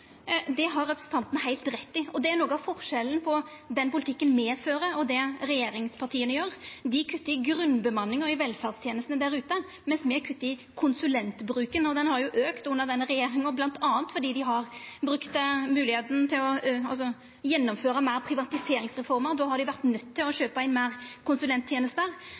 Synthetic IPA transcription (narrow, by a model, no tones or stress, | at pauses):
d̪ɛɦɑɾɛpɾəsn̩t̪ʰɑnt̪ənəhæɪlt̪ɾɛt̪ːɪɔd̪ɛæɾnoːɡəɑʋfɔʁʂɛlən̩pʰɔd̪ɛnpʊlɪt̪ʰɪkːənmeːføːɾəɔd̪ɛɾɛjeːɾɪŋspʰɑʈ̪ʰiːənəjøːɾd̪ɪkʰʉt̪ːəɪɡɾʉnːbəmɑnːɪŋɔɪʋɛlfæʁst̪ʰjeːnəst̪ənəd̪æɾʉːt̪ə | mɛnsmɛkʰʉt̪ːɪkʰʊnsʉlɛnt̪bɾʉːkənɔd̪ɛnhɑɾjʊʔøːkt̪ʊnːəʁd̪ɛnːəɾɛjeːɾɪŋɔblɑnt̪ʰɑːənt̪fɔɾɖ̪iːd̪ɪɦɑɾbɾʉkt̪mʉːlɪheːt̪ənt̪ʰɪlɔɑlsɔ | jɛnːɔmføːɾəmæɪʁpʰɾɪʋɑt̪ɪseːɾɪŋsʁɛfɔɾməɾd̪ɔːhɑɾd̪ɪʋæɾt̪nœt̪ʰːɪlɔɕøːpəæɪnmæːʁkʰʊnsʉlɛnt̪ʰːjeːnəst̪ɾ